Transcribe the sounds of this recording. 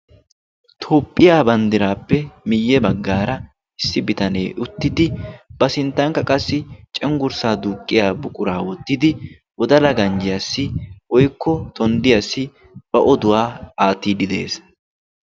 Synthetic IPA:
t̪ʰoːpʼːɪjaːbɐnd̪ɪɾaːpːɛmɪjːɛbɐɡːaːɾɐ | ɪsːɪbɪt̪ɐne̞ːʔʊt̪ːɪd̪ɪbɐsɪnt̪ːɐŋkːɐkʼɐsːɪt͡ʃʼɛŋɡʊɾsaːd̪uːkʼːɪjaːbʊkʼʊɾaːwɔt̪ːɪd̪ɪ | wɔd̪ɐlɐɡɐnd͡ʒɪjasːɪʔɔjkːɔt̪ʰɔnd̪ɪjasːɪ | b̥ɐʔɔd̪ʊwaːaːt̪ːiːd̪ɪd̪e̞ːs

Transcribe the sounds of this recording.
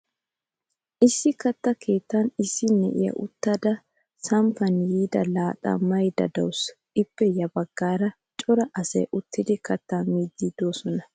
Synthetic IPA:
ʔɪsːɪkɐt̪ːɐkʰe̞ːt̪ːɐnɪsːɪnɛ̰ʔɪ̰jɐ̰ʔʊt̪ːɐd̪ɐ | sɐmpɐnjiːd̪ɐlaːt̪ʼɐ̰mɐjd̪ɐ̰d̪ɐws | ɪpːɛjɐbɐɡ̥ːaːɾɐ | t͡ʃʼɔɾɐʔɐsɐ̰jʔʊt̪ːɪd̪ɪkɐt̪ːaːmiːd̪ːid̪o̞ːsɔnɐ

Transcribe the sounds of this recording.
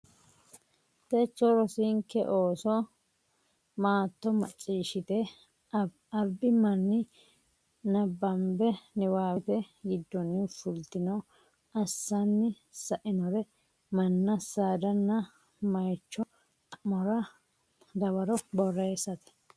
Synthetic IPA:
t̪ɛt͡ʃːɔɾɔsɪŋkːɛ̰ʔoːsɔ | maːt̪ːɔmɐ̰t͡ʃʼːiːʃɪt̪ɛ | ɐlbɪmɐnːɪ | nɐbːɐmbɛnɪwaːt̪ɛɡɪd̪ːɔnːɪfʊlt̪ɪnɔ | ɐsːɐnːɪ | sɐʔɪnɔɾɛ | mɐnːɐsaːd̪ɐnːɐ | mɐjt͡ʃːɔ | ɐmɔɾɐ | d̪ɐbɐɾɔbɔrːeːsɐt̪ɛ̥

